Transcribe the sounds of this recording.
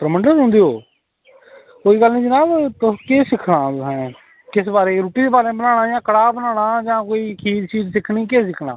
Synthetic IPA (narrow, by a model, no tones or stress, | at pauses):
pɾəməɳɖəɾɦʊ̃nd̪eːoː | koːiːɡəlnĩːd͡ʒənaːbt̪ʊkeːsɪkʰɽaːt̪ʊsɛ̃ː | kɪsbaːɾeːɾuːʈiːd̪eːbaːɾebənaːɽ̃aːd͡ʒãːkəɽaːbənaːɽ̃aːd͡ʒãːkoːiːkʰiːd̪t͡ʃiːd͡ʒsɪkʰnĩːkeːs̬ɪkʰɽa̰ː